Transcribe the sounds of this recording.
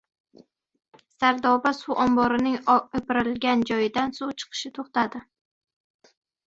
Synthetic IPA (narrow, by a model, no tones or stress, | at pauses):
saɾd̪ɒbasuʔɒmbɒɾɪnɪŋepɪɾɪlɡʲand͡ʒɒjɪd̪ansut͡ʃʰɨ̥qʰɨ̥ʃɪt̪ʰoχt̪ad̪ɪ